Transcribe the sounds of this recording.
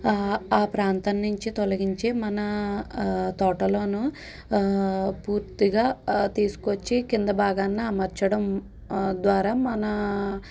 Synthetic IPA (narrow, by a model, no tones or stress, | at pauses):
aːpɾaːnt̪ɐnːuɲt͡ʃit̪olɐɡiɲt͡ʃeːmɐnɐ | t̪ɔːʈɐlo̞ːnu | puːɾt̪iɡaːt̪iːsu̥kot͡ʃːikind̪ɐbaːɡɐnːiɐmɐɾt͡ʃɐɽɐm | d̪ʋaːɾaːmɐnɐ